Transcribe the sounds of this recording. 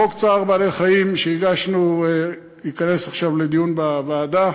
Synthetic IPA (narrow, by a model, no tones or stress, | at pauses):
okt͡saʁbaːleχajimʃeiɡaʃnu | ikane̞saχʃavle̞d̪ijunbavaːd̪a